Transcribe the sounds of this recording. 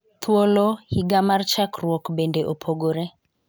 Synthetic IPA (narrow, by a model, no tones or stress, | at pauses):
t̪ʰwolohiɡamart͡ʃakrwɔkbendeʔopʰoɡoɾe